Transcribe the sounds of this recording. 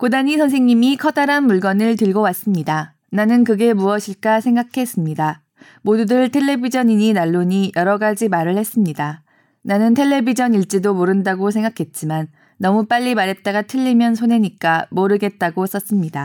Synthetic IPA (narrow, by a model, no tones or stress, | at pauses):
kodaɲisʰʌns̬ʰeŋɲimikʰʌdaɾanmuɭɡʌnɯɭtɯɭɡowas͈ɯmɲida | nanɯnkɯɡe̞muʌɕʰiɭk͈asʰe̞ŋɡakʰe̞s͈ɯmɲida | modudɯɭtʰe̞ɭːe̞bid͡ʑʌɲiɲinaɭːoɲijʌɾʌɡad͡ʑimaɾɯɭhe̞s͈ɯmɲida | nanɯntʰe̞ɭːe̞bid͡ʑʌniɭt͡ɕ͈idomoɾɯndaɡosʰe̞ŋɡakʰe̞t̚t͡ɕ͈imanː | ʌmup͈aʎːimaɾɦe̞t̚t͈aɡatʰɯʎːimjʌnsʰone̞ɲik͈amoɾɯɡe̞t̚t͈aɡos͈ʌs͈ɯmɲida